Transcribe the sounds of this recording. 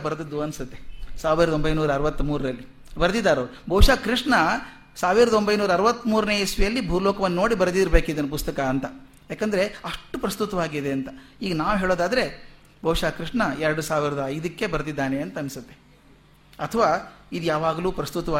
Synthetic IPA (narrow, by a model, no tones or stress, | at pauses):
bɐɾd̪id̪ːuɐnsut̪ːe̞saːʋiɾɐd̪ombɐjnuːɾɐɐɾɐʋɐt̪ːumuːɾɾɐlːi | bɐɾd̪id̪ːaːɾoːbʱɐwʂaːkɾiʂɳɐ | saːʋiɾɐd̪ɐo̞mbɐjnuːɾɐɾɐʋɐt̪ːmuːɾneːesʋijɐlːibʱuːlɔːkɐʋɐnːɐno̞ːɽibɐɾd̪id̪iɾɐbeːkid̪ɐnɐpust̪ɐkɐːnt̪ɐ | jaːkɐnd̪ɐɾe̞ɐʂʈːupɾɐst̪ut̪ɐʋaːɡid̪e̞ɐnt̪ɐiːɡɐnaːʋɦeːɭoːd̪aːd̪ɐɾe̞ | bʱɐwʂaːkɾiʂɳɐɛɾɐɽusaːʋiɾɐd̪ɐɐjd̪ɐkːe̞bɐɾd̪id̪ːaːne̞ɐnt̪ɐɐnsut̪ːe̞ | ɐt̪ʰɐʋaːid̪jaːʋaːɡɐluːpɾɐst̪ut̪ɐʋaː